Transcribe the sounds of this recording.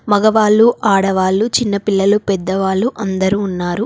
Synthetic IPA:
mɐɡɐʋaːɭːuʔaːɽɐʋaːɭːut͡ʃinːɐpilːɐlupɛd̪ːɐʋaːɭːuʔɐnd̪ɐɾuːnːaːɾu

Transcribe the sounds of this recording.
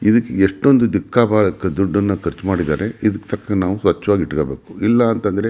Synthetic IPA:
id̪ɐkːeeʂʈːo̞nd̪ud̪ikːaːbaːlɐkːɐd̪uɖːɐnːɐkʰɐɾt͡ʃmaːɽid̪a̰ːɾe̞id̪ɐkːt̪ʰɐkːɐnaːʋusʋɐt͡ʃːɐʋaːɡiiʈkoːbe̞ːku̥ilːɐːnt̪ɐnd̪ɐɾe

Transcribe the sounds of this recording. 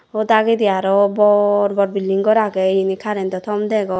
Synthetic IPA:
od̪aɡid̪ijaɾɔbɔɾbɔɾbilːiŋɡɔɾaɡɛinikʰaɾɛnt̪ɔt̪ʰɔmd̪ɛɡɔ

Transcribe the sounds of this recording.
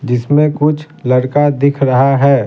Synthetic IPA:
d͡ʒɪsmẽkʊt͡ʃʰ | lɐɽkad̪ɪkʰɾɐɦaɦɛː

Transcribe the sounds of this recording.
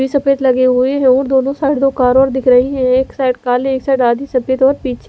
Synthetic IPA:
iːsəpeːt̪ləɡeɦʊeɦɛ̃ɔːɾd̪oːnõːsaːɽd̪oːkaːɾɔːɾd̪ɪkʰɾəɦiːɦɛ̃eːksaːʈkaːleːksaːʈaːd̪iːsəpeːt̪ɔːɾpiːt͡ʃʰː

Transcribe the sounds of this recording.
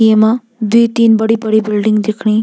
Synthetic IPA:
ema | d̪ujt̪iːnbəɽibəɽibɪlɖɪŋɡd̪ikʰɳ̃i

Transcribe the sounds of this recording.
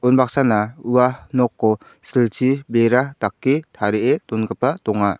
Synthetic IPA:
unbak̚sanauwanɔkːɔ | silt͡ʃibeɾatakːit̪ʰaɾɛʔetɔnɡəpatɔŋa

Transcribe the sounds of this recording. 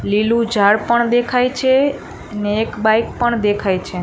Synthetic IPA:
lilũd͡ʒaɽpəɳd̪ekʰajt͡ʃʰe | neːkbajk̚pəɳd̪ekʰajt͡ʃʰe

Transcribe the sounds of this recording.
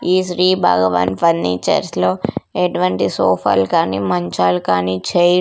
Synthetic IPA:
iːsɾiːbʱa̰ːɡɐʋa̰ːnpɐnːiːt͡ʃɐ̰ɾsloːeʈuʋɐɳʈisoːpʰa̰ːlkaːnimɐɲt͡ʃaːlukaːniːt͡ʃe

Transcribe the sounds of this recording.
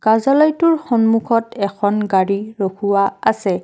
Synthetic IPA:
kazalɔjtʊɹxɔnmukʰɔtɛkʰɔnɡaɹiɹokʰuwaasɛ

